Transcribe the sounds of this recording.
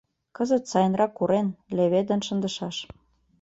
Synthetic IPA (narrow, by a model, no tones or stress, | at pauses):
kɤzə̆t̪sɑjə̆nrɑkːuɾenleβed̪ə̆nʃə̆nd̪ə̆ʃɑʃ